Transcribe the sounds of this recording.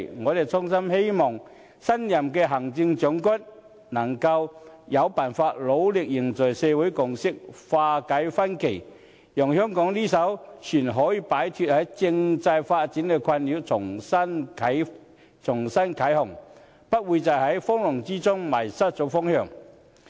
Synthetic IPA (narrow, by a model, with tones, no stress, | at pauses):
ŋɔː˨˧d̪e˨˩jt͡sʊ˥ŋsɐ˥mhe˥jmɔː˨˩ŋ | sɐ˥njɐ˨mkɛː˧ɦɐ˨˩ŋt͡sɪ˧ŋt͡ʃœ˨˥ŋkɐ˥t̚ | nɐ˨˩ŋkɐ˧wjɐ˨˧wpaː˨˩nfaː˧t̚lo˨˧˥wlɪ˨k̚jɪ˨˩ŋt͡sɔ˨˩jsɛː˧wu˨˥jkʊ˨ŋsɪ˥k̚faː˧kɐ˨˥jfɐ˥nkʰe˨˩j | jɔː˨˩ŋhœː˥ŋkɔː˨˥ŋliː˥s̬ɐ˨˥wt͡ʃʰyː˨˩nɦɔː˨˥jiː˧paː˨˥jt̪ʰyː˧t̚hɐ˨˥jt͡sɪ˧ŋt͡sɐ˧jfaː˧t̚t͡siː˨˥nkɛː˧kʷʰɐ˧nli˨˥wt͡sʰʊ˨˩ŋsɐ˥nʰ˨˥ | t͡sʰʊ˨˩ŋsɐ˥nkʰɐ˨˥jhʊ˨˩ŋ | pɐ˥t̚wuː˨˧jt͡sɐ˨wɦɐ˨˥jfɔː˥ŋlʊ˨˩ŋt͡siː˥t͡sʊ˥ŋmɐː˨˩jsɐ˥t̚t͡sɔ˨˥fɔː˥ŋhœː˨˩ŋ